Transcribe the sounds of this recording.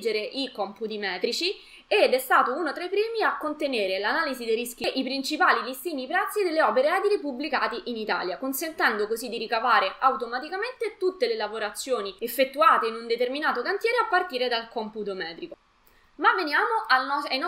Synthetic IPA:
d͡ʒeɾeʔikɔmput̪̬imɛːt̪ɾit͡ʃi | ed̪ɛst̪aːt̪ounot̪ɾajpɾiːmiakːont̪eneːɾelanaːlizid̪erisk̟iʔipɾint͡ʃipaːlilist̪iːnipɾɛt̪sːid̪elːeɔːpeɾeɛːd̪iɾipublikaːt̪iʔinit̪a̰ːljakonsent̪ɛnd̪okozid̪iɾikavaːɾeʔawt̪omat̪ikament̪et̪ut̪ːelelavoɾat̪sːjoːniefːet̪ːuaːt̪einund̪et̪erminaːt̪okant̪jɛːɾeapːart̪iːɾed̪alkɔmput̪omɛːt̪ɾiko | mavːenjaːmoʔaɔajnɔ

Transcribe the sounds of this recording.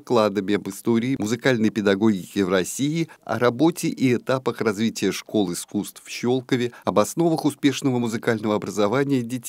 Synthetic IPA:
klˠad̪əmʲɪɐbɨst̪o̞ɾʲɪːmʊzɨkalʲnəjpʲɪd̪ɐɡo̞ɡʲɪkʲɪvrɐsʲijɪɐ̰ɾɐbo̞tʲɪʔiɛt̪apəxrɐzvʲitʲɪjəʂko̞lˠɪskust̪ffɕo̞lˠkəvʲɪɐbɐsno̞vəxʊspʲe̞ʂnəvəmʊzɨkalʲnəvəɐbɾəzɐvanʲɪjədʲɪtʲ

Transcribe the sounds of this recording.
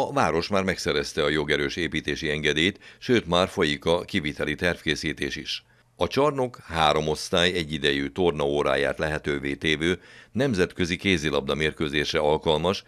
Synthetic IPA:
ɒvaːɾo̞ʃmaːrmɛksɛɾɛst̪ɛɒjo̞ɡɛɾøːʃeːpiːt̪eːʃiɛŋɡɛd̪eːjt̪ʃøːt̪maːrfo̞jikɒkivit̪ɛlit̪ɛrfkeːsiːt̪ḛːʃiʃ | ɒt͡ʃɒrno̞khaːɾo̞mo̞st̪aːjɛɟːid̪ɛjyt̪o̞rnɒoːɾa̰ːja̰ːt̪lɛɦɛt̪øːveːt̪eːvøːnɛmzɛt̪køzikeːzilɒb̚d̪ɒmeːrkøːzeːʃrɛɒlkɒlmɒʃ

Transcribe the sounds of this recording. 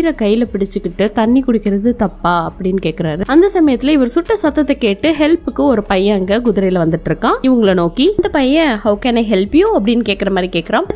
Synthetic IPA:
ɾɐkɐjːɪlɐpɪɽɪt͡ʃːɯkːɪʈːɯt̪ɐɳːikʊɽɪkːɪɾɐðɯt̪ɐpːaːɐpːɐɽɪnːɯkeːkːɪɾaːɾɯɐnd̪ɐsɐmɐjɐt̪ːɪlɐɪʋɐɾɯsʊʈːɐsɐt̪ːɐt̪ːɛkeːʈːɯɦɛlpɯkːɯɔɾɯpɐjɐ̃ɐŋɡɐkʊðʊɾɐɪjɪlɐʋɐnd̪ɯʈːɪɾɯkːãːɪʋɐŋɡɐɭɐnoːkind̪ɐpɐjɐ̃hɐʊkɛnɐɪɦɛlpɪjoɐpːɐɽɪnːɯkeːkːɪɾɐmaːd̪ɾikeːkɐɾãːm

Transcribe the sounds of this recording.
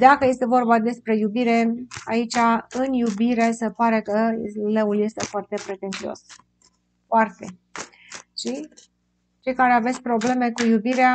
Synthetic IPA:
d̪akəje̞st̪e̞vo̞rbad̪e̞spɾe̞jubiɾe̞ait͡ʃaɨnjubiɾe̞se̞paɾe̞kəleulje̞st̪efoart̪e̞pɾe̞t̪e̞nt̪sio̞̰s | foart̪e̞ | ʃi | t͡ʃe̞jkaɾe̞avet̪sʲpɾo̞ble̞me̞kujubiɾea

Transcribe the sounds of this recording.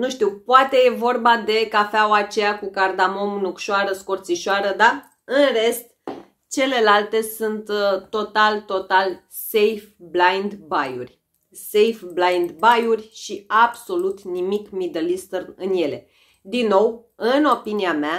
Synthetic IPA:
nuʃt̪iwpoat̪e̞je̞vo̞rbad̪e̞kafeawat͡ʃe̞jakukard̪amo̞mnukʃoaɾəsko̞rt̪siʃoaɾəd̪a | ɨnre̞st̪̚ | t͡ʃe̞le̞lalt̪e̞sunt̪ːo̞t̪alt̪o̞t̪al | se̞jfblajnd̪bajṵrʲ | sejfblajnd̪bajurʲʃiabso̞lut̪nimikmid̪əlist̪ərnɨnje̞le̞ | d̪inːo̞wɨno̞piniamea

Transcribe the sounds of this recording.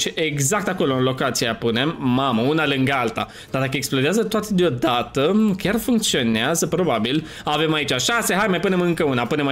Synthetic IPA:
ʃieɡzakt̪ako̞lo̞ɨnlo̞kat̪sijapune̞mːaməunalɨŋɡalt̪a̰ | d̪̥aɾrd̪akəeksploɾeazət̪oat̪ed̪eo̞d̪at̪əkʲarfuŋk̚t̪sio̞neazəpɾo̞babil | ave̞mait͡ʃaʃase̞ɦajmajpune̞mɨŋkəunapune̞ma

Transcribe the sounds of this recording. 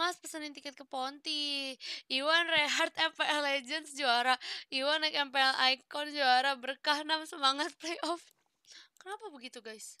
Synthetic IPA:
maspəsənint̪ikɛt̪̚kəpɔnt̪i | iwanrɛɦart̪ɛmpɛɛlɛd͡ʒənsd͡ʒuaɾaiwanakɛmpɛɛlʔajkɔnd͡ʒuaɾabərkahnamsəmaŋat̪̚plejʔɔf | kənapabəɡit̪uɡajs

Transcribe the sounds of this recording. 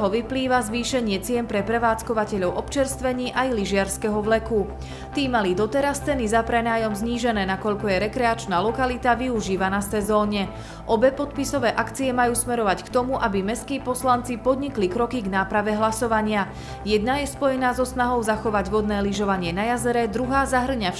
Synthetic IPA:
ɦɔʋipliːʋazʋiːʃɛɲɪɛt͡sɪɛnpɾɛpɾɛʋaːt͡skɔʋacɛʎɔʊʔɔpt͡ʃɛɾst̪ʋɛɲiːʔajliʒɪaɾskɛɦɔʋlɛku | t̪iːmalid̪ɔt̪ɛɾast͡sɛnizapɾɛnaːjɔmzɲiːʒɛnɛːnakɔʎkɔjɛɾɛkɾɛat͡ʃnaːlɔkalit̪aʋiuʒiːʋanasɛzɔːɲɛ | ʔɔbɛpɔt̪pisɔʋɛːʔakt͡siɛmajuːsmɛɾɔʋackt̪ɔmuʔabimɛskiːpɔslant͡sipɔd̪ɲiklikɾɔkiɡnaːpɾaʋɛɦlasɔʋaɲɪa | jɛd̪najɛspɔjɛnaːzɔsnaɦɔʊzaxɔʋaɟʋɔd̪nɛːliʒɔʋaɲɪɛnajazɛɾɛd̪ɾuɦaːzaɦr̩ɲa

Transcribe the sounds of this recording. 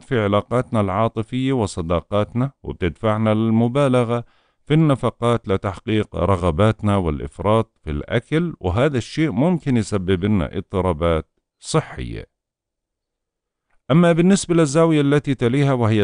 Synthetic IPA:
t̪fiʕɪlaːqɑːt̪nalʕɑːt̪ˤɨfɪjːawɨsˤːɑd̪ɑːqɑːt̪nawɪ̰b̚t̪ɪd̪faʕnalɪlmʊbaːlaɣa | finːafɑqɑːt̪lɪt̪aħqiːqɾˤɑɣabaːt̪nawɪ̰lʔɪ̰fɾˤɑːt̪̚ˤfḭlʔa̰kalwɪɦaːðaʃːeːʔmʊmkɪnjsabːɪbɪna̰ʔɪ̰t̪ˤːɨɾˤɑːbaːt̪̚ | sˤɨħːɪ̰jːa̰ | ʔamːabɪnːɪsbalɪzːaːwɪjalːat̪it̪aliːɦawɪɦɪjː

